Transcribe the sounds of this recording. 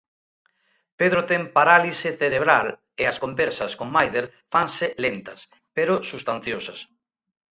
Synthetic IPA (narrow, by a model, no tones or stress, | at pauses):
peðɾot̪ɛŋpaɾalisɪθeɾeβɾal | eɐskombɛɾsɐskoŋmajðelfaŋsɪlent̪ɐs | peɾosust̪an̟θjosɐs